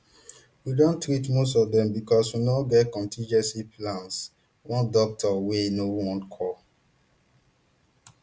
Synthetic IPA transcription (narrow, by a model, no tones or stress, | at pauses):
widõntɹitmostɔvdɛ̃mbikɔswinaɡɛtkɔ̃ntʰĩnd͡ʒɛ̃nsiplãns | wɔ̃ndɔk̚tʰɔwenowɔ̃nkʰɔ